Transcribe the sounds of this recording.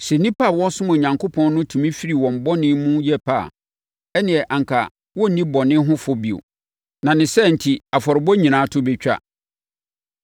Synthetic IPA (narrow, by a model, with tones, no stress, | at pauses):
sɛ˨nĩ˦pʰa˦˨wɔ̃˦sʊ̃˦mʊ̃˨ɲã˨ŋkʰo˦pʰɔ̃˦nnʊ̃˦tʰũ˨mĩ˦fi˦ɾi˨wɔ̃˨m˨bɔ˦nɪ̃˦mũ˦jɛ˦pʰa̰˦˨ | ɛ˦nɪ̃˨ɛ˨ʔã˨ŋkʰa˨ | wɔ˦n̩˨nĩ˦bɔ˨nɪ̃˦ɦʊ̃˦fɔ˦bi˨o̰˨ | nã˨nɪ̃˨sɛ˦n̩˨tʰi˨a˨fɔ˨ɾɪ˨bɔ˦ɲĩ˨nãː˨˦tʰʊ˦bɛ˨t͡ɕᶣa̰˦